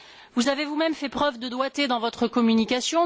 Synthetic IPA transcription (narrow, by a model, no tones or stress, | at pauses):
vuzavevumɛmfɛpχœvd̪əd̪wat̪ed̪ɑ̃vɔt̪χəkɔmynikʲasjɔ̃